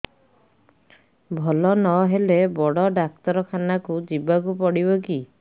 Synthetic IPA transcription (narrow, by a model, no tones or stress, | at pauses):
bʱɔlɔnɔɦelebɔɽɔɖak̚t̪ɔɾɔkʰanakud͡ʒibakupɔɽibɔki